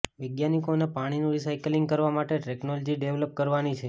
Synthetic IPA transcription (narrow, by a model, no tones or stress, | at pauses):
ʋəɡjanikonepaɽ̃inũɾisajkliŋɡkəɾʋamaʈeʈeknolɔd͡ʒiɖeʋləp̚kəɾʋanit͡ʃʰe